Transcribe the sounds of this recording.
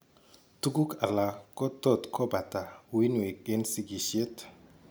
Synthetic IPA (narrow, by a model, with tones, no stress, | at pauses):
tu˦ɡu˦kʰa˨la˨kɔ˦tɔ˦˨tkʰɔ˦ba˨ta˨wi˦nwe˨k̚e˦nsi˦ɡi˨ʃje˦t